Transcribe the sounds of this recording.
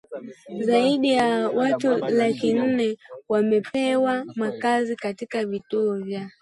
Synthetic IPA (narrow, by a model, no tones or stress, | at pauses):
zaiɗijawatulakin̩nɛwamɛpɛwamakazikatikavituɔvja